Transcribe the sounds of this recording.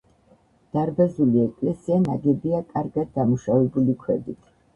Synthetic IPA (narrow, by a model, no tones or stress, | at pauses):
d̪̥aɾbazuliɛkʼlɛsianaɡɛbiakʼaɾɡad̪̚ːamuʃavɛbulikʰwɛd̪it̪ʰ